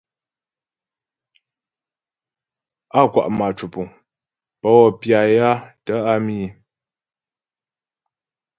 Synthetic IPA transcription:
a˦˨kwa̰˨ʔma˨t͡ʃu˨pu˨ŋ | pə˦wɔ˦˨pja˨ja˦tə˦a˦mi˦

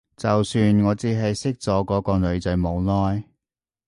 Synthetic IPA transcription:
t͡sɐ˨wsyː˧nŋɔː˨˧t͡siː˨˧ɦɐ˨jsɪ˥k̚t͡sɔː˨˧˥kɔː˨˥kɔː˧lɵ˨˧ɥt͡sɐ˨˧˥jmo˨˧wlɔː˥j

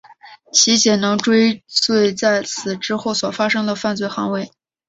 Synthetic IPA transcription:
t͡ɕʰi˧˥ɕjɛ˨˩nɤ˧˥ŋʈ͡ʂwe˥ɪt͡swe˥˧ɪt͡sa˥˩ɪt͡sʰɹ̩˨˩ʈ͡ʂɻ̩˥xo˥˩ʊswɔ˨˩fa˥ʂɤ˥ŋd̪ə˨fa˥˧nt͡swe˥˩ɪxɑ̰˧˥ŋwe˥˩ɪ

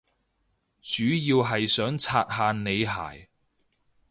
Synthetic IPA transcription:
t͡ʃyː˨˥jiː˧wɦɐ˨jsœː˨˥ŋt͡sʰaː˧t̚ɦaː˨˧ne˨˧jɦa̰ː˨˩j

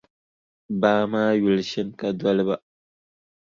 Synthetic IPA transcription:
baː˦ma˦ju˨lʃi˦nka˦dwa˦lba˦

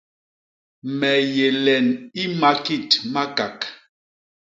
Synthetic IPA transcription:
mɛ˨je˨lɛ˨ni˦ma˨ki˦˨tma˦ka˨k

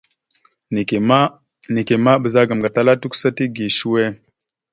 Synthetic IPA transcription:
n˨˦ | ni˨ke˨ma˦bə˨za˦ɡa˨m˨ɡa˨ta˦la˦tu˦ku̥˦sa˦ti˦ɡi˨ʃu˦we˦˨

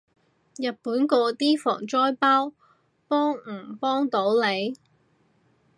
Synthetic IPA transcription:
jɐ˨t̚puː˨˥nkɔː˧t̪iː˥fɔ̰ː˨˩ŋt͡sɔː˥jpaː˥w | pɔː˥ŋ̩˨˩pɔː˥ŋt̪o˨˥wle˨˧j

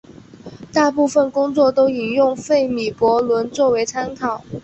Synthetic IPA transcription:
t̪a˥˧pu˥˧fə˥˩nkʊ˥ŋt͡swɔ˥˩t̪o˥ʊi˨˩njʊ˥˩˧ŋfe˥˩ɪmi˨˩pwɔ˧˥lwə˧˥nt͡swɔ˥˩we˧˥ɪt͡sʰa˥nkʰɑ˨˩˦ʊ

